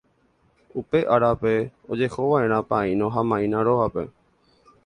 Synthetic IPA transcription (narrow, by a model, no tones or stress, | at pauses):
upeʔaɾape̞od͡ʒehoʋaẽ̞ɾ̃ãpaĩnõɦamãĩnãɾoʋape̞̰